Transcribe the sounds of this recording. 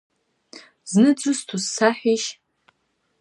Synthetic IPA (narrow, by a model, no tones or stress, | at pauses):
znɨt͡sʷʼʊstʰusːaħʷiʃ